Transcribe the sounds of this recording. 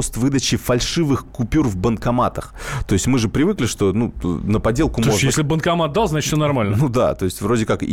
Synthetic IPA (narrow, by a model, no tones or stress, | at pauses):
ost̪vɨd̪ət͡ɕɪfɐlʲʂɨvɨxkʊpʲurvbənkɐmat̪əxt̪o̞ɪsʲtʲmɨʐɨpɾʲɪvɨklʲɪʂt̪o̞nṵnəpɐdʲelˠkʊmooʐnʲj̪es̬ʲlʲɪbənkɐmat̪̚d̪alˠzat͡ɕɪtfsʲonɐrmalʲnənud̪a̰t̪o̞ɪsʲtʲvɾo̞dʲɪkak